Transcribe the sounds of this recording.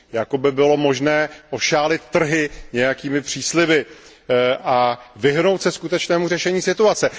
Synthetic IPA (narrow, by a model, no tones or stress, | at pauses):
jako̞bɪbɪlo̞mo̞ʒnɛːʔo̞ʃaːlɪt̪ːr̩ɦɪɲɛjakiːmɪpr̝̥iːslɪvɪ | ʔavɪɦno̞wt̪sɛskut̪ɛt͡ʃnɛːmurɛʃɛɲiːsɪt̪uat͡sɛ